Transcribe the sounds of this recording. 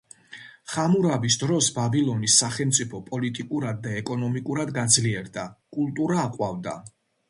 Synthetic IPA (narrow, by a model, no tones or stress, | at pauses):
χamuɾabisd̪ɾɔsbabilˠɔnisːaχɛlmt̪sʼipʰɔpʼɔlit̪ʼikʼuɾad̪̚ːaɛkʼɔnɔmikʼuɾad̪ɡad̪zliɛɾd̪akʼulˠt̪ʼuɾaːqʼwavd̪a̰